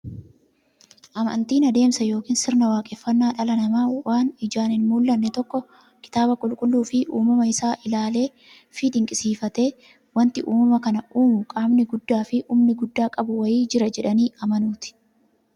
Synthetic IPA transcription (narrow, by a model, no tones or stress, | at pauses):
ʔɐmɐ̰nt̪iːnɐd̪e̞ːmsɐjo̞ːkiːnsɪɾnɐwaːkʼɛfːɐnːaːᶑɐlɐnɐmaːwaːnɪd͡ʒaːnɪnmuːlːɐnːɛt̪ɔkːɔ | kɪ̥t̪aːbɐkʼʊlkʼʊlːuːfɪʔuːmɐmɐɪsaːʔɪlaːle̞ː | fid̪ɪŋkʼɪsiːfɐt̪e̞ː | wɐnt̪ɪʔuːmɐmɐkɐnɐʔuːmʊkʼaːmnɪɡʊd̪ːaːfɪʔuːmnɪɡʊd̪ːaːkʼɐbʊwɐjiːd͡ʒɪɾɐd͡ʒɛᶑɐniːɐmɐnuːt̪ɪ̥